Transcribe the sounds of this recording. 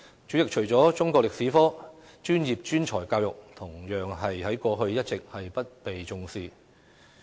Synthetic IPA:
t͡ʃyː˨˥ɪ˨k̚t͡ʃʰɵ˨˩ɥt͡sɔː˨˥t͡sʊ˥ŋkɔː˧k̚lɪ˨k̚siː˨˥fɔː˥ | t͡ʃyː˥njiː˨˩p̚t͡ʃyː˥nt͡ʃʰɔ̰ː˨˩jkaː˧wjʊ˨k̚t̪ʰʊ˨˩ŋjœː˨ŋɦɐ˨jhɐ˨˥jkɔː˧ɦɵ˧ɥjɐ˥t̚t͡sɪ˨k̚hɐ˨jpɐ˥t̚pe˨jt͡sʊ˧ŋsiː˧

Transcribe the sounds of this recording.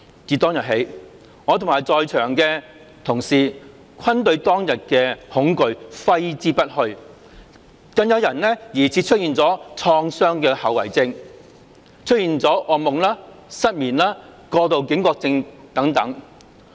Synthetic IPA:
t͡siː˨˧t̪ɔː˥ŋjɐ˨˩t̚ɦe˨˥j | ŋɔː˨˧t̪ʰʊ˨˩ŋmaː˨˩jt͡sɔː˧jt͡ʃʰœː˨˩ŋkɛː˧ | t̪ʰʊ˨˩ŋsiː˨ | kʷʰɐ˥nt̪ɵ˧ɥt̪ɔː˥ŋjɐ˨t̚kɛː˧hʊ˨˥ŋkɵ˧ɥfɐ˥jt͡siː˥pɐ˥t̚hɵ˧ɥ | kɐ˧ŋjɐ˨˧wjɐ˨˩nlɛ˥jiː˨˩t͡sʰiː˨˥t͡ʃʰɵ˥t̚jiː˧nt͡sɔː˨˥t͡ʃʰɔː˧ŋsœː˥ŋkɛː˧hɐ˨˧wɐ̰˨˩jt͡sɪ˧ŋ | t͡ʃʰɵ˥t̚jiː˧nt͡sɔː˨˥ʔɔː˨˧mʊ˨ŋlaː˥ | sɐ˥t̚miː˨˩nlaː˥kɔː˧t̪o˨˧wkɪ˨˥ŋkʷɔː˧k̚t͡sɪ˧ŋt̪ɐ˨˥ŋt̪ɐ˨˥ŋ

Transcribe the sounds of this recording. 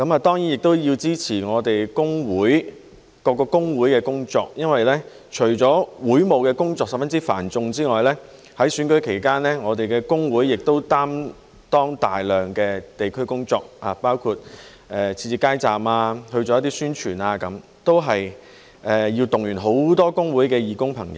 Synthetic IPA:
kɐ˨˥maː˨t̪ɔː˥ŋjiː˨˥njɪ˨k̚t̪o˥wjiː˧wt͡siː˥t͡sʰiː˨˩ŋɔː˨˧t̪e˨jkʊ˥ŋwuː˨˥j | kɔː˧kːɔː˧kʊ˥ŋwuː˨˥jkɛː˧kʊ˥ŋt͡sɔ̰ː˧k̚jɐ˥nwɐ˨jlɛː˥ | t͡ʃʰɵ˨˩ɥt͡sɔː˨˥wuː˨˥jmo˨˧wkɛː˧kʊ˥ŋt͡sɔː˧k̚sɐ˨p̚fɐ˥nt͡siː˥fa̰ː˨˩nt͡sʊ˧ŋt͡siː˥ŋɔː˨jlɛː˥ | hɐ˨˥jsyː˨˥nkɵ˨˥ɥkʰe˨˩jkaː˥nlɛː˥ŋɔː˨˧t̪e˨jkɛː˧kʊ˥ŋwuː˨˥jːɪ˨k̚t̪o˥wt̪aː˥m | t̪ɔː˥ŋt̪a̰ː˨jlœː˨ŋkɛː˧t̪e˨jkʰɵ˥ɥkʊ˥ŋt͡sɔː˧k̚aː˨˩paː˥wkʰuː˧t̚ | ʔɛ˨t͡sʰiː˧t͡siː˧˩kaː˥jt͡saː˨maː˧hɵ˧ɥt͡sɔː˨˧jɐ˥t̪̬ːiː˥syː˥nt͡ʃʰyː˨˩naː˧kɐ˨˥m | t̪o˥wɦɐ˨j | ɛ˧jiː˧wt̪ʊ˨ŋjyː˨˩nɦo˨˥wt̪ɔː˥kʊ˥ŋwu˨˥jkɛː˧jiː˨˧kʊ˥ŋpʰɐ˨˩ŋjɐ̰˨ww

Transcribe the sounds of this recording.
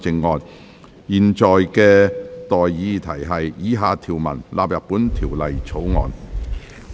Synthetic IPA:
t͡sɪ˨˧ŋːɔː˨n | jiː˨nt͡ʃɔː˨jkɛː˧t̪ɔː˨jːiː˧t̪ʰɐ˨˩jɦɐ˨jjiː˨˥ɦaː˨t̪ʰiː˨˩wmɐ̰˨˩nlʔa̰ː˨p̚jɐ˨p̚ːuː˨˥nt̪ʰiː˨˩wlɐ˨jt͡sʰo˨˥wŋɔ̰ː˨˧n

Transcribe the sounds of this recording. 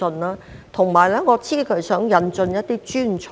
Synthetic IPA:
ɵ˧nlaː˥t̪ʰʊ˨˩ŋmaː˨˩jlɛː˥ŋɔː˨˧t͡sʰiː˥˩kʰɵ˨˥ɥsœː˨˥ŋjɐ˨˧nt͡sɵ˧njɐ˥t̚t̪iː˥t͡ʃyː˥nt͡sʰ

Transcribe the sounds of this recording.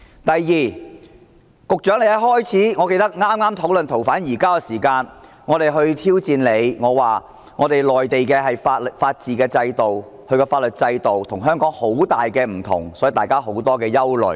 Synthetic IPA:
t̪ɐ˨˩jːiː˨˩ | kʊ˨k̚t͡ʃœː˨˥ŋle˧jɐ˨˥hɔː˥jt͡sʰiː˨˥ŋɔ˨˧ke˧jt̪ɐ˥k̚ŋaː˥mŋaː˥mt̪ʰo˨˥wlɵ˨nt̪ʰo˨˩wfaː˨˥njiː˨˩kaː˥kɛː˧siː˨˩kaː˧n | ŋɔː˨˧t̪e˨jɦɵ˧ɥt̪ʰiː˥wt͡siː˨˧nle˨˧jŋɔː˨˧waː˨˩ | ŋɔː˨˧t̪e˨jlɔː˨˩jt̪e˨jkɛː˧ɦɐ˨jfaː˧t̚ltfaː˧t̚t͡siː˨kɛː˧t͡sɐ˧jt̪o˨w | hɵ˧ɥkɔː˧faː˧t̚lɵ˨t̚t͡sɐ˧jt̪o˨wt̪ʰʊ˨˩ŋɦœː˥ŋkɔː˨˥ŋho˨˥wt̪aː˨jkɛː˧m̩˨˩t̪ʰʊ̰˨˩ŋsɔ˨˥jt̪aː˨jkaː˥ɦo˨˥wt̪ɔː˥kɛː˧jɐ˥wlɵ̰˨˩ɥ

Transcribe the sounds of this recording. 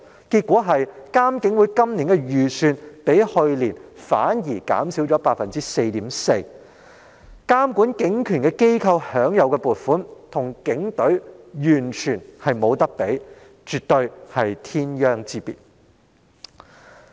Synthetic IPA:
kiː˧t̚kʷɔː˨˥ɦɐ˨jkaː˥mkɪ˨˥ŋwuː˨˧˥jkɐ˥mniː˨˩nkɛ˧jyː˨˩syː˨˧npe˨˥jhɵ˧ɥliː˨˩nfa̰ː˨˥njiː˨˩ka̰ː˨˥msiː˨˥wt͡ʃɔː˨˥paː˧t̚fɐ˨nt͡siː˥se˧jt̪iː˨˥mse˧j | kaː˥mkuː˨˥nkɪ˨˥ŋkʰyː˨˩nkɛ˧ke˥jkʰɐ˧whœː˨˥ŋjɐ˨˧wkɛ˧puː˨t̚fuː˨˥nt̪ʰʊ˨˩ŋkɪ˨˥ŋt̪ɵ˨˥jyː˨˩nt͡ʃʰyː˨˩nhɐ˨jmo˨˧wt̪ɐ˥k̚pe˨˥j | t͡ʃyː˨t̚t̪ɵ˧ɥhɐ˨jt̪ʰiː˥njœː˥ŋt͡siː˧˥pḭ˨˩t̚

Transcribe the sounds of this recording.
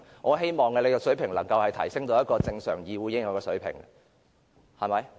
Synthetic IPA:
ŋʔɔː˨˧ɦe˥jmɔː˨˩ŋːɛ˧le˨˧kɔː˧sɵ˨˥ɥpʰɪ˨˩ŋlɐ˨˩ŋkɐ˧whɐ˨jt̪ʰɐ˨˩jsɪ˥ŋt̪o˧˥wjɐ˥t̚kɔː˧t͡sɪ˧ŋsœ̰ː˨˩ŋjiː˨˧wuː˨˥jɪ˧˥ŋɐː˨wkɔː˧sɵ˨˥ɥpʰɪ̰˨˩ŋ | hɐ˨˩mɐ˨˧j

